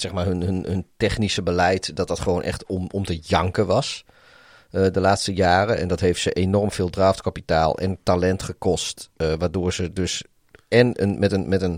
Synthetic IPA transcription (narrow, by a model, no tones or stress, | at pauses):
sɛxmaːrɦənɦənɦɵntɛχnisəbəlɛjtdɔt̚dɑtχəʋoːnʔɛ̰xtɔmɔmtəjɑŋkəʋɑs | ədəlaːtstəjaːrəʔɛ̰ndɔtɦejftsəʔenɔrmfɪːlˠdraːftkapitaːlˠɛ̰nətalɛntχəkɔstʋaːdʊːɹzədøs | ɛnə̰nmɛtənmɛtən